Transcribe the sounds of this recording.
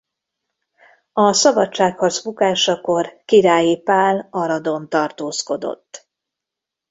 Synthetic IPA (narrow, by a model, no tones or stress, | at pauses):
ɒsɒbɒt͡ʃt͡ʃːaːkhɒrzbukaːʃɒko̞rkiɾaːjipaːlɒɾɒd̪o̞nt̪ɒrt̪oːsko̞d̪o̞̰t̪ː